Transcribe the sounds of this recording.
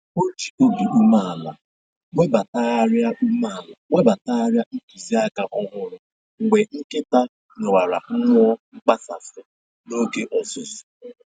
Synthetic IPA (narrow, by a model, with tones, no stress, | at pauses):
o˦d͡ʒi̥˨o˦bi˨ʔu˦ma˦a˨la˨ | ŋʷe˦ba˨ta˦ɾa˦ma˦˨la˨ŋʷe˦ba˨ta˦a˦ɾja˦n̩˦tu˨zi˦a˦ɡa˦ʔɔ˦ɦʊ˦ɾʊ˨ | ŋ̩˨ŋʷe˨ŋ̩˦ke˦ta˦ | nʊ˨wʷa˨ɾa̰˨ŋ͡m̩˦ŋʷ˦ɔ˦ŋ͡m̩˦k͡pa˦sa̰˨sɪ˨ | no˦ke˦ʔɔ˨zʊ˨zʊ˨